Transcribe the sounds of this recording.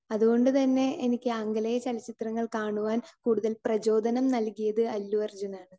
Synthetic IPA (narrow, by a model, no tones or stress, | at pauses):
ɐðuɣo̞ɳɖɨt̪ɐnːe̞enikʲːɨɐŋɡɐlɐjɐt͡ɕɐlɐt͡ɕːit̪rɐŋːɐɭkaːɳuʋaːnkuːɽuðɐlprɐd͡ʑo̞ːd̪ʱɐnɐmnɐlkijɐðɨɐlːuʋɐrd͡ʑunaːɳɨ